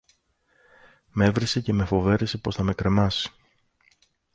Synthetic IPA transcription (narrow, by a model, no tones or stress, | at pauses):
me̞vɾisece̞me̞fo̞ve̞ɾesepo̞snɐme̞kɾe̞mɐsi̥